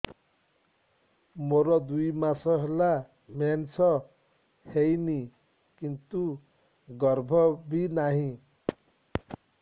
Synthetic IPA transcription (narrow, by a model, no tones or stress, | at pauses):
moɾɔd̪ujmasʌɦela | mant͡sʰʌ | hejni | kint̪u | ɡʌrbʱʌbʱinaɦĩ